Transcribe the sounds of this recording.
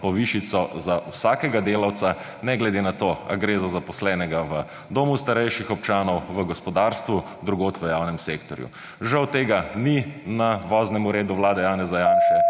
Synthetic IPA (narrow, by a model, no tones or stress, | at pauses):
pɔʋiʃit̪sɔzawsaːkɛɡad̪eːlawt̪sa | nɛɡlɛd̪enat̪oːa̰ɡɾeːzɔzapɔslɛnɛɡaʋə | d̪oːmust̪aɾɛjʃixɔp̚t͡ʃaːnɔwʋəɡɔspɔd̪aːɾst̪ʋu | d̪ɾuɡoːt̪ʋəjaːwnɛmseːkt̪ɔɾjṵ | ʒawt̪eːɡaninaʋɔznɛmuɾeːd̪uʋlaːd̪ɛjaːnɛzajanʃɛ